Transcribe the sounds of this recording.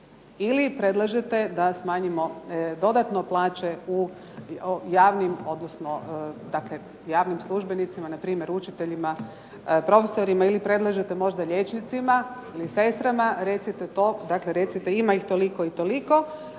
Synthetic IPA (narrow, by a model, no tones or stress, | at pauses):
ilipɾe̞d̪lˠaʒet̪e̞d̪asmaːɲimo̞d̪o̞d̪at̪no̞plˠaːt͡ʃe̞u | jaːʋnimo̞d̪nosno̞d̪akle̞ | jaːʋnimslˠuʒbenit̪simanapɾiːmje̞ɾut͡ʃit̪eʎima | pɾo̞fesoɾimailipɾe̞d̪lˠaʒet̪emo̞ʒd̪aʎet͡ʃnit̪simailise̞st̪ɾamaɾet̪sit̪et̪od̪akle̞ɾe̞t̪sit̪eimaixt̪o̞liko̞it̪o̞liko̞